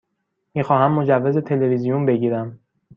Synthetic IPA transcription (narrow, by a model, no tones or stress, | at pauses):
miːxɒːɦæmːo̞d͡ʒævːeze̞t̪ʰe̞le̞vizijunbe̞ɟiːɾæm